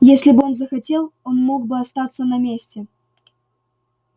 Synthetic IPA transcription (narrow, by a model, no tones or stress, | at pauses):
jesʲlʲɪbɨo̞nzəxɐtʲe̞lˠo̞nmo̞ɡ̚bɨɐst̪at̪sənɐmʲesʲtʲɪ